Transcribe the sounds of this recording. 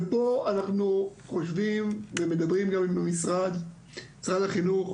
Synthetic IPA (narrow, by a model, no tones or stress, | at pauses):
poanaχnuχo̞ʃvimveme̞d̪abʁimɡamimamisʁad̪ | isʁad̪aχinuχ